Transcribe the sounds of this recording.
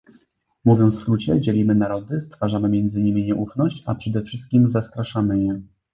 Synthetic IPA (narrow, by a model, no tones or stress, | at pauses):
muvʲjɔnsskɾut͡ɕɛd͡ʑɛlʲimɘnaɾɔd̪ɘst̪faʐamɘmʲjɛnd̪zɘɲimʲiɲɛʔufnɔɕt͡ɕapʂɛd̪ɛfʂɘst̪̚kʲimzast̪ɾaʂamɘjɛ